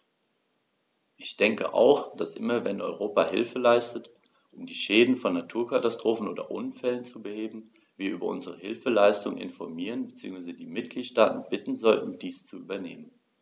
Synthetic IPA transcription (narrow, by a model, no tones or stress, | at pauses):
ʔɪçd̥ɛŋkə̰ʔa̰ʊxd̥asʔɪ̰mɐvɛnʔɔʏʁ̞oːpahɪ̰lfəlaɪstət | ʔʊmdiːʃɛːdn̩fɔnːatʰuːɐkatastʁ̥oːfn̩ʔoːdɐ̰ʔʊnfɛlənt͡subəheːbm̩ | viːɐʔyːbɐʔʊ̰nzəʁ̞əhɪlfəlaɪstʊŋənʔɪ̰nfɔɐmiːʁənbət͡siːʊŋsvaɪzədiːmɪt̚ɡ̥liːtʃtaːtn̩bɪtn̩zɔltn̩d̥iːst͡suʔyːbɐnḛːmən